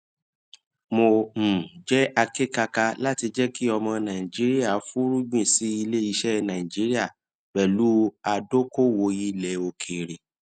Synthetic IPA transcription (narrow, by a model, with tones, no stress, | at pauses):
mõ˧˨d͡ʒɛ˦a˧ke˦˨ka˧ka˧la˦ti˧d͡ʒɛ˦ki˦ɔ˧mɔ̃˧nã˨ĩ˨d͡ʒi˨˦ɾi˦a˦˨˦fu˦ɾu˦ɡ͡bĩ˦˨si˨˦i˧le˦i˧ʃɛ˦nã˨ĩ˨d͡ʒi˦ɾi˦a˦˨ | k͡pɛ˨lu˨˦a˧do˦ko˦wo˧˦ji˦lɛ˨˦o˧kʰe˨ɾe˨